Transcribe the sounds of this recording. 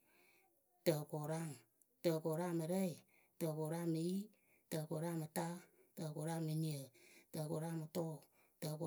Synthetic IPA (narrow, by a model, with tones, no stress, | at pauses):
tə˨ko˨ɾa˦˨ŋ˨ | tə˧ko˨ɾa˦mɨ˧ɾə˦i˨ | tə˧˨ko˨ɾa˦˨mːɨ˨ji˦ | tə˧ko˨ɾa˦˨mɨ˨ta˦ | tə˧ko˨ɾa˦˨mːɨ˧ni˨ə˨tə˧˨ko˨ɾa˦˨mɨ˨tɔː˦˨ | tə˧ko˨